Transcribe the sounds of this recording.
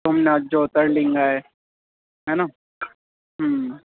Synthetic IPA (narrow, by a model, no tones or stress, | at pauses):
ɦɐmnead͡ʒoːt̪əɾlĩŋɡaɦɛː | ɦɛna | ɦəm